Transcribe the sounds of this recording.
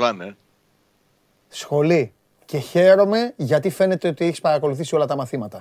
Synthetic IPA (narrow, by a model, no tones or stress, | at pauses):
vɐne | sxo̞li | ce̞çe̞ɾo̞me̞ʝɐt̪ife̞ne̞t̪e̞o̞t̪ieçi̥spɐɾɐko̞luθisio̞lɐt̪ɐmɐθimɐt̪ɐ